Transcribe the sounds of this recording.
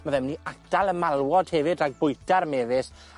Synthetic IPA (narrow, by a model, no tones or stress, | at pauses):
maðɛmniad̥alˠəmalˠwɔd̥hɛvɨdaɡ̚bʊɨdaɾmeːðɪs